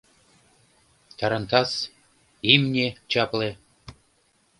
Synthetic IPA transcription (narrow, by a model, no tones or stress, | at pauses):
t̪ɑɾɑnt̪ɑs | imnʲet͡ɕɑplĕ